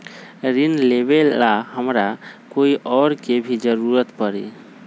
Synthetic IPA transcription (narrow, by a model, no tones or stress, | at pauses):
ɾinleβelaɦəmɾakoiʔɔɾkebʱid͡ʒəɾuɾət̪pəɾḭ